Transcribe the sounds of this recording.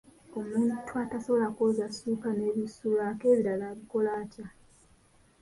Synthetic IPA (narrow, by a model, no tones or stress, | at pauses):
o̞muːntʰuataso̞βolako̞zasupane̞βisulake̞ːβiɾalaβiko̞laːca